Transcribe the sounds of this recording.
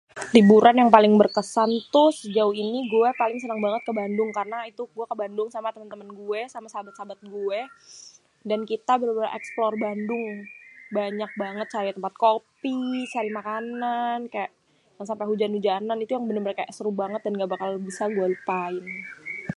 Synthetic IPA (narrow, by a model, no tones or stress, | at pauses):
libuɾanjaŋpalɪŋbərkəsant̪ʊsd͡ʒauiniɡuɛpalɪŋsənaŋbaŋət̪̚kəbandʊŋkarənait̪uɡuakəbandʊŋsamat̪əmənt̪əmənɡuɛsamasabat̪̚sabat̪̚ɡuɛ | dankit̪abəɾbəɾa̰ʔɛksplɔrbandʊŋbaɲak̚baŋət̪̚t͡ʃaɾit̪əmpat̪̚kopit͡ʃaɾimakanankajaʔ | jaŋsampaɦud͡ʒanud͡ʒananit̪ujaŋbənərməɾekaʔɛst̪ɾubaŋət̪̚danɡabakalbisarɡuɛləpaɪn